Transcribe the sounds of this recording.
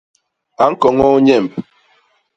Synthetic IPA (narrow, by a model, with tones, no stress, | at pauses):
a˨ŋ̩˦kɔ˨ŋɔ˦ɲɛ˦˨m˨p